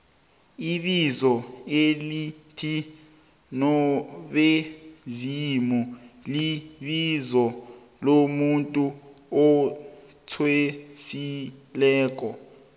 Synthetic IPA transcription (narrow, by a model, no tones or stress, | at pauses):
iɓizɔelitʰi | nɔɓezimuliɓizɔ | lomuntʼuɔ | t͡sʰwesilɛːk̬ɔ